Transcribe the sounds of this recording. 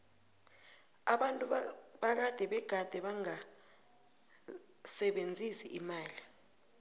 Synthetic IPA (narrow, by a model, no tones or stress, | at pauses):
aɓantʼuɓak̬ad̥ʱɛɓɛɡ̥ʱad̥ʱɛɓaŋa | sɛɓend͡zʱisiʔimaːli